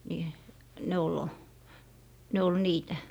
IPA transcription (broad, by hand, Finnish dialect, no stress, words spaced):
ni ne ol ne ol niːtæ